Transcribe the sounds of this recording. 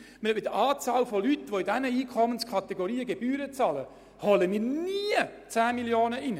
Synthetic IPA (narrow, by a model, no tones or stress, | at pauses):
məɪdəʔɑːt͡sɑːlfɔlyt̪ʋoɪdɛnəiːkʰɔmənskʰɑt̪eɡoɾiːəɡeb̥yːɾət͡sɑːlə | hɔləmiːɾniət͡sæːmiljoːnəʔɪnə